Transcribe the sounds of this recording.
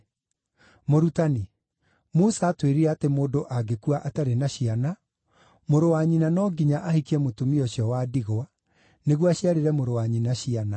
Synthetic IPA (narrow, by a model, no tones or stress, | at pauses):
moɾutani | mosaːtweɾiɾɛatemoːdoʔaɡekuaʔataɾenaɕiana | moɾowaɲinanɔɡiɲaʔahikiɛmotumiɔɕjɔwadiɣoa | neɣwaɕjaɾeɾɛmoɾowaɲinaɕiana